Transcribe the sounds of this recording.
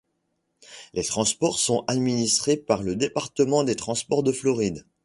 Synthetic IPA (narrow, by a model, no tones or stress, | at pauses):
let̪χɑ̃spɔʁsɔ̃ʔad̪minist̪χepaʁləd̪epaʁt̪əmɑ̃d̪et̪χɑ̃spɔʁd̪əflɔʁid̪